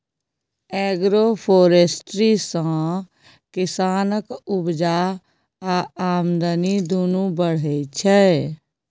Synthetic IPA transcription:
ɛːɡɾopʰoːɾesʈɾisə̃ | kɪsaːnəkʊbd͡ʒa | aaːmd̪ənid̪oːnũbəɽ̤ət͡ʃʰɛ

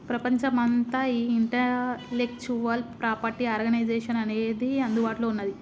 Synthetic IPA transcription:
pɾɐpɐɲt͡ʃɐmɐnt̪ɐiːiɳʈɐlek̚t͡ʃuʋɐlpɾaːpɐɾʈiaːɾɡɐnɐjd͡ʒeːʂɐnɐneːd̪iɐnd̪ubaːʈloːunːɐd̪i

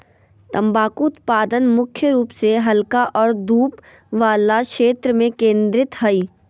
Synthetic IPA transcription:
t̪ɐ̃mbaːkut̪paːd̪ənmʊkʰjəɾuːpseɦɐlkaʔɔːɾd̪uːp | ʋaːlaʃeːt̪ɾəmẽkẽːnd̪ɾɪt̪ɦɐiː

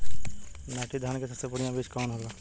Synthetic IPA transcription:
naʈʰid̪ʱaːnkesɐsepʊɽijãbiːt͡ʃkɔːnɦɛla

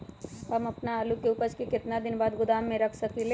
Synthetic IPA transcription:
ɦɐmɐpnaːlukeʊpəɾt͡ʃkekɪt̪nad̪ɪnbaːd̪ɡʊd̪aːmːẽɾɐkʰsɐkele

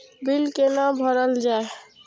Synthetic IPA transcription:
bilkenabʱɔɾəld͡ʒae

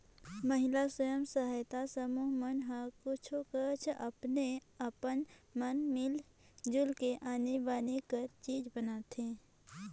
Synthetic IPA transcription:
məɦɪlasəjəmsəɦaːjt̪asəmuːɦmənɦakʊt͡ʃʰokət͡ʃʰəpneəpənmənmɪl | d͡ʒʊlkeʔaːnebaːnekəɾt͡ʃiːd͡ʒbənaːt̪ʰẽː

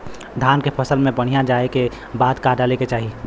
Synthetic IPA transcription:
d̪ʱaːnkepʰɐsəlmẽbɐɽ̤ijad͡ʒaːeke | baːd̪kaːɖaleket͡ʃaːɦi

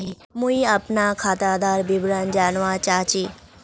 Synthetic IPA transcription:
ɦi | mũiɐpnakʰaːt̪aːd̪aːɾbibɾand͡ʒaːnʋãt͡ʃaːt͡ʃiː

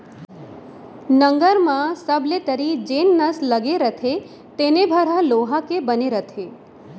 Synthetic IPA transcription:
nəŋɡəɾmãsəblet̪əɾid͡ʒenːəsləɡeɾət̪ʰe | t̪enebʱəɾaloɦakebəneɾət̪ʰe

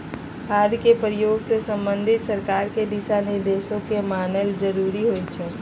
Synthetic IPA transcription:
kʰaːd̪kepɾijoːɡsesə̃mbənd̪ʱɪt̪səɾkaːɾked̪isanɪɾd̪eːsõkemaːnəld͡ʒəɾuːɾiɦoit͡ʃʰɛː

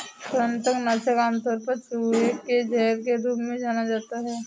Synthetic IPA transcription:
tənt̪əknat͡ʃekaːmt̪ɔːɾpət͡ʃɦueked͡ʒɛɦɾkeɾuːpmẽd͡ʒaːnad͡ʒaːt̪aɦɛː

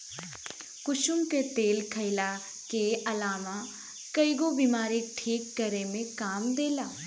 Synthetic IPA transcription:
kʊʃʊmket̪eːlkʰɐɪla | keɐlaːmã | kɐiɡobiːmaːɾik̚ʈʰiːk̚ːɐɾemẽkaːmd̪eːlaː

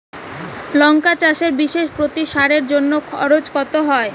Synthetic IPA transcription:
lɔŋkat͡ɕaʃeɾbiʃeʃpɾot̪iʃaɾeɾd͡ʑonːokʰɔɾot͡ɕkɔt̪oɦɔe

